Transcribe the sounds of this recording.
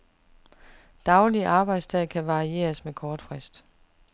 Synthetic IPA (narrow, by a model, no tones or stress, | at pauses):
d̥ɑ̈ʊliʔɑ̈ːb̥ɑ̈ɪd̥st͡sʰɛð̰ˠkʰæʋɑ̈ʁie̝̰ːɐsmekʰɒːd̥fʁɛsd̥